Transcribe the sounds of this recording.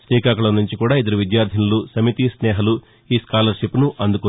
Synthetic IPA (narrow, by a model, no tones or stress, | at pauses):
sʈiːkaːkɐɭɐnːuɲt͡ʃikuːɽaːid̪ɐɾuʋid̪jaːɾd̪ʱinɐlusɐmit̪isnɛːɦɐlu | iːskaːlɐɾʃipnuʔɐnd̪uku